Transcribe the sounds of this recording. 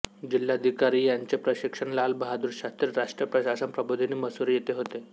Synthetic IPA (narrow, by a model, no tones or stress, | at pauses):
d͡ʑilːad̪ʱikaɾiːjaɲt͡ɕepɾəɕikʂəɳlalbəɦad̪uːɾɕat̪iɾɾaʂʈɾjəpɾəɕasənpɾəbod̪ʱiniːməsuɾijet̪eɦot̪e